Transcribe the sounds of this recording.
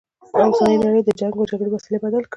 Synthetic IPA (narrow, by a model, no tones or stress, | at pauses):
awsɑnəjnaɽəjd̪əd͡ʒaŋɡpəd͡ʒaɡɽewasilebad̪alk